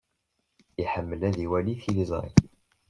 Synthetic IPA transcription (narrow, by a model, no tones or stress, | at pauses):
iħəmːəlæðiwæliθilizˤɾḭ